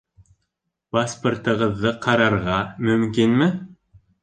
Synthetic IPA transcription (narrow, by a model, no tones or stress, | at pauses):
paspŏrt̪ɤ̆ʁɤ̆ðːɤqɑɾɑɾʁɑmɵ̆mkinmɘ